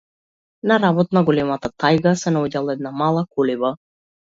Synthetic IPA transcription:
naɾabɔt̪naɡɔlɛmat̪at̪ajɡasɛnaoɟalˠaɛd̪̚namalˠakɔliva

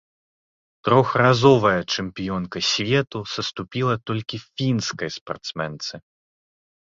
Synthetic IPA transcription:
t̪ɾɔxrazɔvɐjɐt͡ʂɨmpʲijɔnkɐsʲvʲɛt̪usɐst̪upʲilˠɐt̪ɔlʲkʲifʲinskɐjspa̰rt̪smɛnt̪sɨ

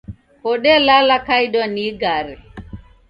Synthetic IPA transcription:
kɔɗɛlalakaiɗwaniɡaɾɛ

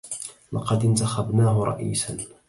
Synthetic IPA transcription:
lɑqɑd̪ɪnt̪axabnaːɦʊɾˤɑ̰ʔḭːsan

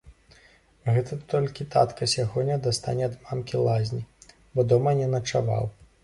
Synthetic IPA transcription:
ɣɛt̪ʰɐt̪ɔlʲkʲit̪a̰t̪kɐsʲaɣɔnʲɐd̪ast̪a̰nʲɛɐd̪mamkʲilˠazʲnʲi | bɔd̪ɔmɐnʲɛnɐt͡ʂava̰w

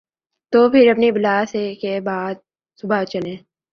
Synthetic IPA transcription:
t̪oːpʰɪɾɐpnibɪlaːsekebaːd̪̚ | sʊbʱat͡ʃɐlẽː

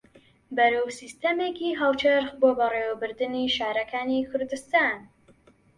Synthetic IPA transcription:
bɐɾowsist̪ɐmeːkiɦɑlˠt͡ʃɐɾxboːbɐreːwɐbɨɾd̪ɨniːʃaːɾɐkʰaːnikʰʊɾd̪ɨst̪aːn

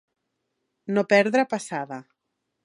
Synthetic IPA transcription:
nopɛɾðɾapasaða

